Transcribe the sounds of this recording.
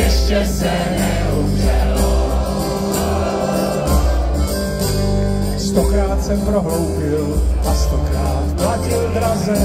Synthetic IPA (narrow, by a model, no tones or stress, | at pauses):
jɛʃcɛsɛ | nɛɦu | ʒɛlo | st̪okɾaːt̪sɛpɾoɦlowbɪlast̪okɾaːt̪placɪld̪ɾazɛ